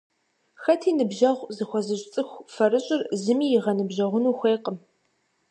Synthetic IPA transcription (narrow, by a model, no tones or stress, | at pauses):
xɐtʰiːnɨbʒɐʁʷzɨxʷɔzɨɕʼt͡sʼɨxʷfɐɾɨɕʼɪrzɨmiːjɪʁɐnɨbʒɐʁʷʊnuːxʷeːqʼəm